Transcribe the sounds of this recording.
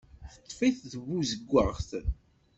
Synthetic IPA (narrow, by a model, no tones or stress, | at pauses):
θət̪ːfiθðəβuzəɡʷːəʁθ